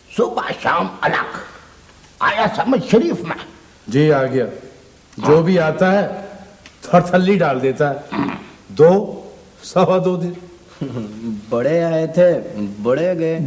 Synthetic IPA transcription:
sʊbaʃaːmə̰lə̰k | a̰ːjasəməd͡ʒʃəɾiːfmɛ̰̃ | d͡ʒiːaːɡɪjaː | d͡ʒoːbʱiaːt̪aɦɛː | t̪ʰːɾt̪ʰəlːiɖaːld̪eːt̪aɦɛː | d̪oː | səʋãːd̪oːd̪ɪn | bəɽeaːet̪ʰebəɽeɡɐe

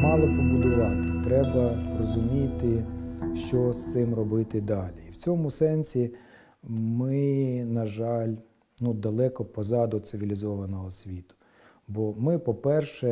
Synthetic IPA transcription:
mɑlˠɪpɔbʊd̪ʲʊʋɑt̪ɪt̪ɾɛbɐrɔzʊmʲit̪ɪʃt͡ʃɔst̪ɪmrɔbɪt̪ɪd̪ɑlʲiːwt͡sʲɔmʊsɛnʲsʲi | mɪnɐʒɑlʲ | nud̪ɐlˠɛkɔpɔzɑd̪ʊt̪sɪʋʲilʲizɔʋɐnɔɦɔsʲʋʲit̪ʊ̥ | bɔmɪpɔpɛrʃɛ

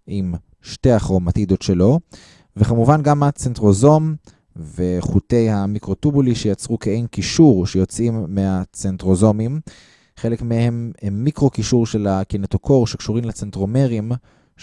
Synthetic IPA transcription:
ʔim | ʃte̞aχʁomat̪id̪o̞tʃe̞lo̞ | vekamuvanɡamat͡sentʁo̞zo̞m | veχute̞jhamikʁo̞tubuliʃejat͡sʁukeejnkiʃuʁʃejo̞t͡simːehat͡sentʁo̞zo̞mim | χelekmehe̞mmikʁo̞kiʃuʁʃe̞lakinet̪okʰo̞ʁʃekʃuʁimlet͡sentʁo̞meʁim

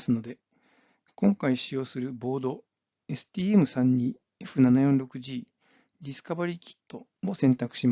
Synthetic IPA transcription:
sɨno̞d̪e̞ | kõ̞ŋkaiɕijo̞ːsɨɾɯ̟bo̞ːd̪o̞ | e̞sɨ̥t̪ʲiːemɯ̟sãɲ̟ːiː | e̞ɸɯ̟nanajõ̞nɾo̞kɯ̟ʑiː | ɾʲisɨ̥kabaɾʲiːkʲi̥t̪ːo̞ | mo̞sẽ̞nt̪akɯ̟̥ɕim

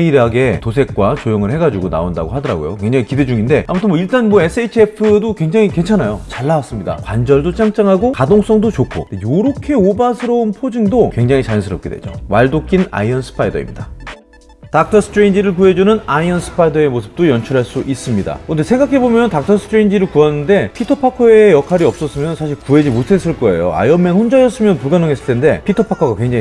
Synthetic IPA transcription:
eiɾaɡe̞tosʰe̞k̚k͈wat͡ɕojʌŋɯɭhe̞ɡad͡ʑuɡona̰onda̰ɡoɦadʌɾa̰ɡo̰jo̰kwe̞ŋd͡ʑaŋikide̞d͡ʑuŋinde̞a̰mutʰɯnmwʌiɭt͈anmoe̞s͈ɯeit͡ɕʰiepʰɯdokwe̞ŋd͡ʑaŋike̞nt͡ɕʰanajot͡ɕaɭːawas͈ɯmɲida̰kwand͡ʑʌɭdot͡ɕ͈ʰaŋt͡ɕ͈aŋɦaɡokadoŋs͈ʌŋdot͡ɕokʰo̰dejoɾʌkʰe̞obasʰɯɾʌunpʰod͡ʑiŋdokwe̞ŋd͡ʑaŋit͡ɕaɲnsʰɯɾʌp̚k͈e̞dwe̞̰d͡ʑo̰waɭdokʰina̰iʌnsʰɯ̥pʰaidʌ̰ḭmɲida | tak̚t͈ʰʌsʰtʰɾend͡ʑiɾɯɭkue̞d͡ʑunɯnaiʌnsʰɯ̥pʰaidʌe̞mosʰɯ̥p̚t͈ojʌnt͡ɕʰʌɾɦaɭs͈uʔis͈ɯmɲida̰kʌndesʰe̞ŋɡakʰe̞bomjʌntak̚tʰʌsʰɯ̥tʰɾeind͡ʑiɾɯɭkuɦanːɯnde̞pʰitʰʌpʰakʰʌejʌkʰaɾiʌp̚s͈ʌs͈ɯmjʌnsʰaɕʰiɭkuɦe̞d͡ʑimotʰe̞s͈ɯɭk͈ʌe̞̰jo̰a̰jʌmːenhʰond͡ʑajʌs͈ɯmjʌnpuɭɡanɯŋɦe̞s͈ɯɭtʰende̞pʰitʰʌpʰakʰʌɡakwe̞ŋd͡ʑaŋi

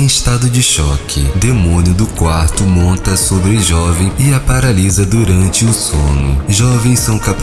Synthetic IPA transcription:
ẽst̪ad̪ʊd͡ʒɪʃɔkʰɪd̪emõnjʊd̪ʊkwaɾt̪ʊmõnt̪ɐsobɾɪʒɔvẽj̃ɪapaɾalizɐd̪uɾɐ̃nt͡ʃɪʊsõnʊ̰ʒɔvẽj̃sɐ̃w̃kap

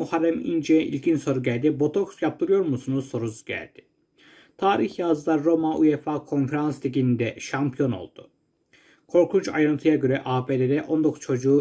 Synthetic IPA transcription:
uhaɾæmḭnd͡ʒeʔḭlʲɟinso̞ɾuɟælʲd̪ibo̞t̪ʰo̞ksjap̚t̪ʰɯɾɯjo̞ɾmusunuzso̞ɾuzɟæ̰lʲd̪̥ɪ̥ | t̪ʰaːɾiçjazɯlˠaɾːo̞maʔṵjefaːkʰo̞nfeɾanst̪ʰiɟʲinind̪ɛʃampʰijo̞no̞̰lˠd̪̥u | kʰo̞ɾkʰunt͡ʃa̰jɾɯnt̪ʰɯjaɟø̞ɾɛʔaːbeled̪ɛʔo̞nd̪okʰu̥z̥t͡ʃʰo̞d͡ʒuː

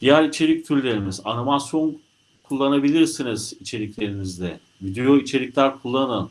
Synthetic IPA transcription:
d̪̥ijæɾit͡ʃʰe̞ɾic̚t̪ʰyɾlʲe̞ɾimizanimasjo̞n | kʰulˠːanabilʲiɾsinizit͡ʃʰe̞ɾiclʲe̞ɾinizd̪ɛ | vid̪ejo̞it͡ʃʰe̞ɾiclʲæɾkʰulˠːanɯn

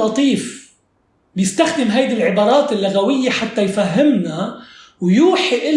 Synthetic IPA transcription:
ɑt̪ˤiːf | bjɪst̪axd̪ɪmɦajd̪ilʕɪbɑːɾˤɑːt̪ɪlːʊɣawɪjːeħat̪ːajfaɦːɪmnawjuːħiʔɪ

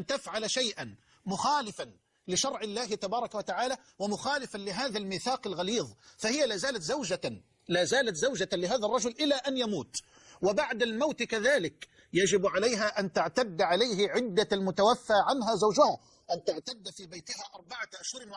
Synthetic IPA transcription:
ʔant̪afʕalaʃajʔan | mʊxaːlɪfan | lɪʃɑɾˤʕɪlːaːɦɪt̪abɑːɾˤɑkawat̪aʕaːla | wɪmʊxaːlɪfanlɪɦaːðalmiːθaːqɪlɣaliːðˤfahɪjːalaːzaːlat̪zawd͡ʒa | laːzaːlat̪zawd͡ʒalɪɦaːðɑrˤːɑd͡ʒʊlʔɪlːaʔanjamuːt̪ | wɪbaʕd̪almawt̪kaðaːlɪk | jad͡ʒɪbʕalajɦaʔant̪ɪʕt̪ad̪ːʕalajɦɪʕɪd̪ːaalmʊt̪awafːaʕanɦazawd͡ʒʊha | ʔant̪aʕt̪ad̪ːfiːbajt̪ɪhaʔɑɾˤbaʕaʔaʃhʊɾɪn

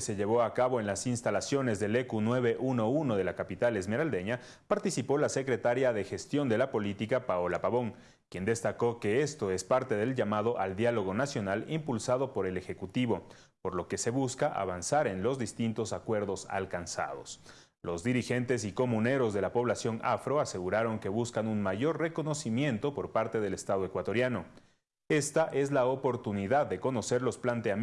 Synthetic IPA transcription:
se̞ʝe̞βo̞akaβo̞e̞nlasinst̪alasjone̞zðe̞le̞kunweβe̞ʔuno̞uno̞ð̞e̞lakapit̪ale̞zme̞ɾald̪e̞ɲa | paɾt̪isipo̞lase̞kɾe̞t̪aɾjaðexe̞st̪jo̞nd̪e̞lapo̞lit̪ikapaolapaβo̞ŋ | kje̞nd̪e̞st̪ako̞ke̞e̞st̪o̞e̞spaɾt̪e̞ðe̞lʝamað̞o̞ʔald̪jalo̞ɣo̞nasjo̞nalimpulsaðo̞po̞ɾe̞le̞xe̞kut̪iβo̞po̞ɾlo̞ke̞se̞βuskaʔa̰βansaɾe̞nlo̞zðist̪int̪o̞sakwe̞ɾðo̞sa̰lkansa̰ð̞o̞̰s | lo̞zd̪iɾixe̞nt̪e̞siko̞mũne̞ɾo̞zðe̞lapo̞β̞lasjo̞ŋʔa̰fɾo̞ase̞ɣuɾaɾo̞ŋke̞βuskanunmaʝo̞rre̞ko̞no̞simje̞nt̪o̞po̞ɾpaɾt̪e̞ðe̞le̞st̪að̞o̞e̞kwat̪o̞ɾjano̞ | e̞st̪aʔe̞zlaopo̞ɾt̪uniðaðːe̞ko̞no̞se̞ɾlo̞splant̪e̞a

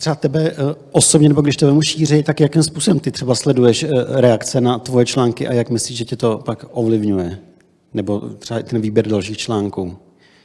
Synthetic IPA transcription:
t̪r̥ɛat̪ɛbɛʔosobɲɛnɛboɡdɪʃt̪ɛbɛmuʃiːrɛjt̪akjakimspuːsobɛmt̪ɪt̪r̥ɛbaslɛdujɛʃɾɛakt͡sɛnat̪vo̞jɛt͡ʃlaːŋkɪʔa̰jakmɪsliːʒʒɛcɛt̪o̞pakʔovlɪvɲujɛ | nɛbo̞t̪r̥ɛaɪt̪ɛnviːbjɛɾdalʃ̬iːxt͡ʃlaːŋkuː

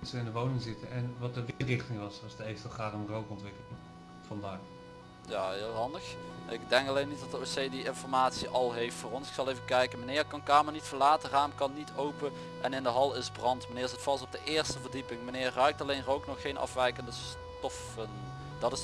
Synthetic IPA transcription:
tsəɪndəʋownɪŋzɪtəɛnʋɑt̚dəʋɪrɪχtɪŋʋɑsʋɑsdəejftəχaːrənrowkɔntʋɪkəlɪŋ | v̥ɑndaːɹ | jaːɦɪːlˠɦɑndəxʔɪ̰ɡ̚dɛŋkɑlejnːit̚dɑtdəosejdiɪnfɔɹmaːtsiʔɑlˠɦejftfʊːrɔnsɪ̥ksɑlˠejvəkɛjkənmənɪːrkɑnkaːmənitfəlaːtəraːmkɑnːitʰowpə | ʔɛnɪndəɦɑlˠɪsbrɑntmənɪːɹsətfɑstɔb̚dəʔɪːɹstəvərdipɪŋmənɪːrːœɥk̚tɑlejnrowknɔxːejnʔɑ̰fʋɛjkəndəs | tɔf | ən | dɑtɪ

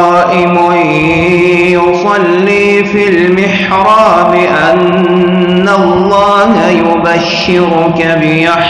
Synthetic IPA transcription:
ɑːʔɪmʊ | jʊsˤɑlːiː | filmɪħ | ɾɑːbɪʔanː | alˤːɑːhajʊbaʃːɪɾʊkabɪja

